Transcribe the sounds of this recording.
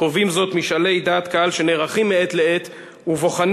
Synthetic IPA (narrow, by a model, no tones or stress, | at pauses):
ovimzo̞t̪miʃale̞jd̪aːt̪kaalʃe̞neːʁaχimːee̞t̪lee̞t̪ | uvo̞χan